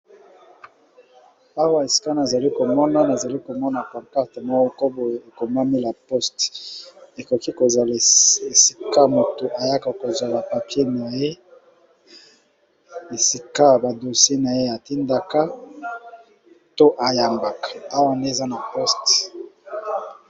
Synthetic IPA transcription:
a˦wa˦e˨si̥˦ka˦na˨za˨li˦ko˨mɔ˦na˦na˨za˨li˦ko˨mɔ˦na˨kɔ˨mpa˦tmɔ˦o˦ko˦bo˨je˨e˨ko˨ma˦mi˦la˨pɔ˦st | e˨ko˨ki˦ko˨za˨le˨si̥˦ka˦mo˨to˨ʔa˨ja˦ka˨ko˨zwa˨ba˨pa˨pje˦na˨je˦ | e˨si˦ka˦˨ba˨do˨se˦na˨je˦a˨ti˦nda˦ka˦ | to˦ʔa˨ja˨mba˨kḁ˨a˦wa˦nde˦˨za˦na˨pɔ˦st

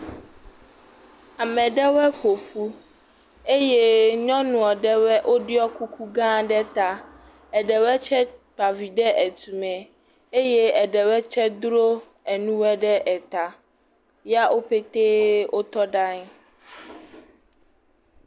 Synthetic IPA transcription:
a˨mɛ̃˨ɖɛ˦wɛ˦ɸo˨ɸu˦ | e˦jɛ˦ɲɔ̃˦nũ˨ɔ˨ɖɛ˦wɛ˦ʔo˦ɖi˦ɔ˦ku˦kʰu˦ɡã˦ɖɛ˦t̪a˦ | ɛ˨ɖɛ˨wɛ˦t͡ʃɛ˦pa˨vi˨ɖɛ˦ʔɛ˨t̪u˨mɛ̃˨ | e˦jɛ˦ɛ˨ɖɛ˨wɛ˦t͡ʃɛ˦d̪ɾo˦ | ɛ˨nũ˦wɛ˦ɖɛ˦ʔɛ˨t̪a˨ | ja˦ʔo˦ɸe˦t̪e˦wo˦t̪ɔ˦ɖa˦ŋ˦

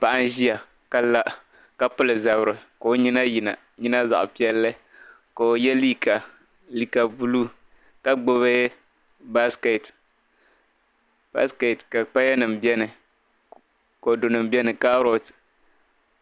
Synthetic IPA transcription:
pa˦˨ʔa˦n˦ʒi˦ja˨ | ka˦la˦ʔ | ka˦pɨ˦lɨ˨za˨bɾɨ˨ko˨o˦ɲi˦na˦ji˨na˨ | ɲi˦na˦za̰˨ʔʊ̰˨pi˦ɛ˦lːɨ˦ | ka˨o˨jɛ˦li˦ka˨ | li˨ka˨bu˦lu˦ | ka˦ɡ͡bo˦βa˦ | ba˦ske˨t | b̥a̰˦ske˨tka˨k͡pa˦jɛ˦nɨ˨mbɛ˦nɨ˨ | ko˨do˨nɨ˨mbɛ˦nɨ˨ka˦ɾo˨t

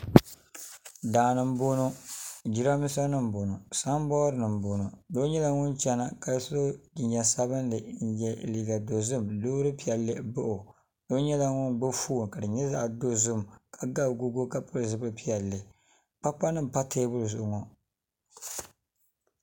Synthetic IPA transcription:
daː˨nɨ˨m˦bo˦no˦d͡ʒi˦ɾa˦mi˦sa˦nɨ˦m˨bo˨no˨sa˦m˦bɔː˦ɾɨ˦nɨ˨m˨bo˨no˨do˦ɲɛ˦la˨ŋʊ˦nt͡ʃɛ˦na˨ka˨so˦˨ɲɛ˨sa˦βɨ˦nlɨ˨n̩˨jɛ˨liː˨ɡa˨do˨zɨ˦mloː˦ɾɨ˦pi˦˨ɛ˨lːe˦bʊ˦ʔʊ˨ | do˦ɲɛ˦la˨ŋʊ˦nɡ͡bʊ˦fuː˦˨ŋka˨dɨ˨ɲɛ˦za˦ʔdo˦zʊ˦mkʰa˨ɡa˦bɡu˦ɡo˦ka˦˨pʊ˦ɾzɨ˨bɨ˦pi˦ɛ˨lːɨ˨ | pa˦k͡pa˦nɨ˦m˨pa˦tʰeː˦bʊ˦ɾzʊ˨ʔʊ˨ŋɔ˨

